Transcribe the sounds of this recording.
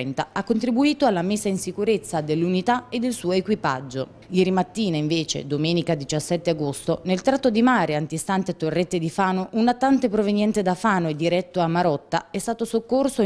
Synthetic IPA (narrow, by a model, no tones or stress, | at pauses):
ɛnt̪aakːont̪ɾibuiːt̪oalːamesːainsikuɾet̪sːad̪elːunit̪aed̪ːelsuːoekwipa̰d͡ʒːo | jɛːɾimat̪ːiːnaiɱveːt͡ʃḛd̪omɛːnikad̪it͡ʃasːɛt̪ːeaɡost̪onelt̪ɾat̪ːod̪imaːɾeant̪ist̪ant̪et̪ːorːet̪ːed̪ifaːnoʔunat̪ːant̪epɾovenjɛnt̪ed̪afaːnoed̪ːiɾɛt̪ːoamːaɾɔt̪ːa̰ɛst̪aːt̪osokːorso